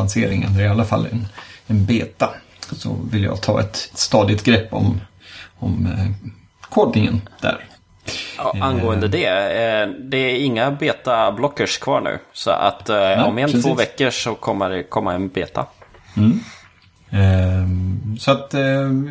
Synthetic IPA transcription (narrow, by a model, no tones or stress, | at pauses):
anseːɾɪŋənɾɪalːafalːɛ̰nɛnbeːt̪a | sɔ̰vɪljɑ̰ːɡt̪ʰɑːɛ̰t̪t̪st̪ɑːd̪ɪt̪ɡɾɛpːɔ̰m | ɔm | kʰɔd̪ɪŋə̰nd̪̥æ̰ɾ | anɡoːənd̪əd̪ɛ | d̪ɛæɾɪŋːabeːt̪ablɔkːəʂkʰvɑ̰ːɳʉ̟̰ːsɔ̰ʔa̰t̪ːɔmɛnt̪voːvɛkːəʂɔkʰɔmːəɖɛkʰɔmːaɛnbeːt̪ʰa̰ | sɔat̪